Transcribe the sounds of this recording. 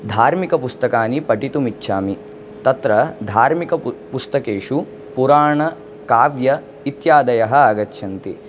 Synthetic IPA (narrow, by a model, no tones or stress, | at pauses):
d̪ʱaːɾmikɐpust̪ɐkaːnipɐʈit̪umitːʃʰaːmi | t̪ɐt̪ɾɐd̪ʱaːɾmikɐpust̪ɐkeːʂu | puɾaːɳɐ | kaːʋjɐ | it̪jaːd̪ɐjɐɦɐaːɡɐtːʃʰɐnt̪i